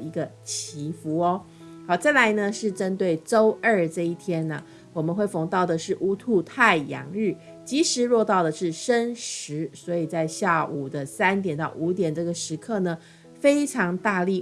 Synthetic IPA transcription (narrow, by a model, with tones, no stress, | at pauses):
i˧˥ɡə˧t͡ɕʰi˧˥fu˧˥ɔ˧˦ | xɑ˧˩ʊt͡sa˥˩ɪla˧˥ɪnə˧ʂɻ̩˥˩ʈ͡ʂə˦˥nt̪we˥˩ɪʈ͡ʂo˥ʊʔə˞˥˩ʈ͡ʂɤ˥˧i˥˩t̪ʰjɛ˥nə̰˩ | wɔ˨˩mə˨nxwe˥˩ɪfɑ˧˥ŋt̪ɑ˥˩ʊd̪ə˩ʂɻ̩˥˩ʔu˥t̪ʰu˥˧t̪ʰa˥˩ɪjɑ̰˨˩ŋɻ̩˥˩ | t͡ɕi˧˥ʂɻ̩˧˥ɻwɔ˥˧t̪ɑ˥˩ʊd̪ə˩ʂɻ̩˥˩ʂə˥nʂɻ̩˧˥swɔ˧˥i˨˩t͡sa˥˧ɪɕja˥˩u˨˩d̪ə˦sa˥nt̪jɛ˨˩nt̪ɑ˥˩ʊʔu˧˥t̪jɛ˨˩nʈ͡ʂɤ˥˩ɡə˩ʂɻ̩˧˥kʰɤ˥˩nə˩ | fe˥ɪʈ͡ʂʰɑ˧˥ŋt̪a˥˧li˥˩